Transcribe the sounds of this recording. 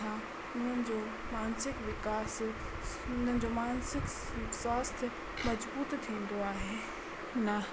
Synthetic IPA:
ã | ʊn̤ənɪ̆d͡ʑoː | maːnsɪkʋɪkaːs | ʊnənɪ̆d͡ʑomaːnsɪk | swaːst̪ʰɪ | mɐd͡ʑbuːt̪t̪ʰĩːn̆d̪oaːɦeː | nɐ

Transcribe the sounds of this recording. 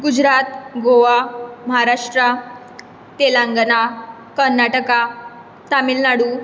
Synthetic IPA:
ɡud͡ʑɾat̪ɡoʋaməɦaɾaʂʈɾə | t̪elaŋɡəna | kəɾnaʈəka | t̪amilnaɽu

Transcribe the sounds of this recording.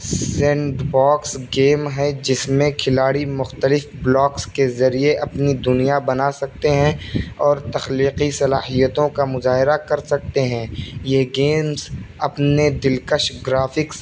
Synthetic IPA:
sɛ̃ːɖbaːksɡeːmɦɛd͡ʒɪsmẽkʰɪlaːɽimʊxt̪əlɪfblɔːkskezɐɾieʔɐpnid̪ʊnijabɐnaːsɐk̚t̪eɦɛ̃ɔːɾt̪ɐxliːqisɐlaːɦijət̪õkamʊzaːɦɪɾakɐɾsɐk̚t̪eɦɛ̃ːjeɡeːmzɐpned̪ɪlkəʃɡɾaːfɪks

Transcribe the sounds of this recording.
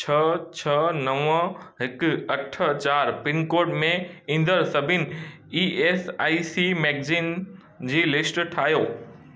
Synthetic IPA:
t͡ɕʰɐt͡ɕʰɐnɐʋə̃ɦɪkɐʈʰət͡ɕaːɾpɪnkoːɾʈmẽĩːn̆d̪əɾsɐbʱɪnɪ̆ | ieːsaːisimɛːɡziːn | d͡ʑiːlɪsʈʈʰaːɦjoː

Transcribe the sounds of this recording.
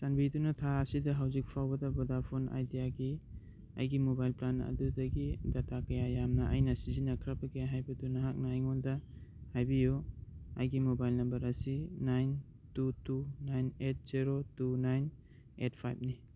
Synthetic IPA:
tanbidunɐtʰaɐsidɐɦawzik̚pʰawbɐdɐbɔdapʰona̰jdijaɡi | ɐ̰jɡimobajlplanɐ̰dudɐɡidatʰakɐjajamnɐʔɐjnɐsizinɐkʰɾabɐkɐjaɦajbɐdunaɦak̚naːjŋondɐhajbijoa̰jɡimobajlnɐmbɐɾɐsinajn | tutunajnet̚z̥iɾotunajn | et̚pʰajp̚ni

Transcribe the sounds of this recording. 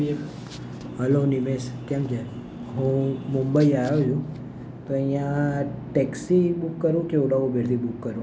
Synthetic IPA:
ɦəlonimeskɛmt͡ʃʰe | ɦũmumbəiaɾəjũ | t̪oəjãʈɛksibukːəɾʋũkeuɽaʋũbeɾt̪ʰibukːəɾũ

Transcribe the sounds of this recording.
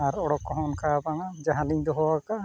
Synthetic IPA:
aɾɔɽɔkːɔɦɔnkʰabaŋad͡ʒaɦãliɲd̪ɔɦɔwakaʔ

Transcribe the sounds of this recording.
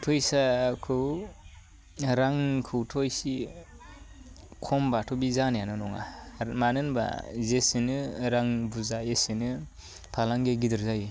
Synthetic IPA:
tʰɔjsakʰɯw | ɾaŋkʰɯwtʰɔjsi | kʰɔmbatʰɔbizanjanɔnɔŋa̰manɯnba̰zesinɯɾaŋbuzaesinɯ | pʰalaŋɡeɡidɯɾzaj

